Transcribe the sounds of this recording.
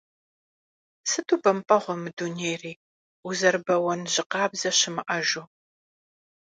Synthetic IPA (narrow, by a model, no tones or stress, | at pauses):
sɨtʰuːbɐmpʼɐʁʷɔmɨduneːriː | uzɐrbɐwɐnʑɪqɑːbzɐɕɪmɨʔɐʒuː